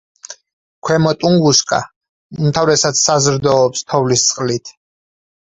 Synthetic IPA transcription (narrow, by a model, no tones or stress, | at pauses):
kʰwɛmɔt̪ʼuŋɡuskʼa̰ | umt̪ʰavɾɛsad̪ssazɾd̪ɔːpst̪ʰɔvlist̪sʼqʼlit̪ʰ